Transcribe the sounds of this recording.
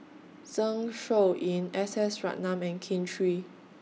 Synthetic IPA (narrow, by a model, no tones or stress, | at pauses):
zãŋʃoʔĩnɛsɛsɹa̰ʔ̚nãmɛ̃nkʰẽntʰɹi